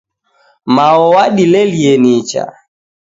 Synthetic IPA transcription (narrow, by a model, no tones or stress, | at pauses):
maɔwaɗilɛliɛnit͡ʃa̰